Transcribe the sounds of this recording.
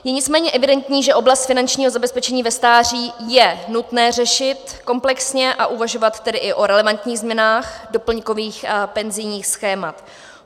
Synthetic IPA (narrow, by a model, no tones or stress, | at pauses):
jɛɲɪt͡smɛːɲɛʔɛvɪdɛnt̪ɲiːʒɛʔo̞blast̪fɪnant͡ʃɲiːɦozabɛspɛt͡ʃɛɲiːvɛst̪aːr̝iːjɛnut̪nɛːrɛʃɪt̪ko̞mplɛksɲɛʔaʔuvaʒo̞vat̪ːɛdɪʔɪʔo̞ɾɛlɛvant̪ɲiːɣzmɲɛnaːxdo̞pl̩ɲko̞viːxpɛnzɪjɲiːxsxɛːmat̪